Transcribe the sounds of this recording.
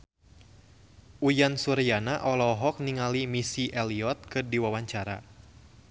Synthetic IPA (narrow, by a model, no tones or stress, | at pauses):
ujansuɾianaʔɔlɔɦɔk̚niŋalimisiʔɛliɔt̪̚kɨrdiwawaɲt͡ʃaɾa̰